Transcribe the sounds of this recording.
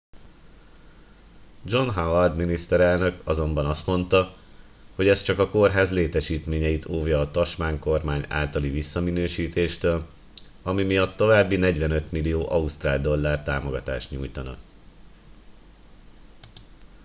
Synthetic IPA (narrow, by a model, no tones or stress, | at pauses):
d͡ʒo̞nɦawɒrd̪minist̪ɛɾɛlnø̞kɒzo̞mbɒnɒst̪mo̞nt̪ɒ | ho̞ɟɛst͡ʃɒkɒko̞rɦaːzleːt̪ɛʃiːt̪meːɲɛjit̪ʰoːvjɒːt̪ɒʃmaːŋko̞rmaːɲa̰ːlt̪ɒlivisːɒminøːʃiːt̪eːʃt̪øːl | ɒmimijɒt̪ːo̞vaːbːinɛɟʋɛnø̞t̪milijoːʔɒust̪raːld̪o̞lːaːrt̪aːmo̞ɡɒt̪aːʃt̪ɲṵːjt̪ɒnɒ̰